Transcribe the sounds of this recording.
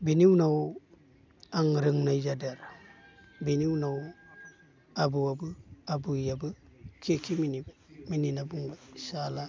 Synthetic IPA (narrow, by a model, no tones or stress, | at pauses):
biniwnaw | aŋɾɯŋnajzadeɾ | biniwnaw | abuwabɯabujabɯ | kʰekiminibmininabuŋbasala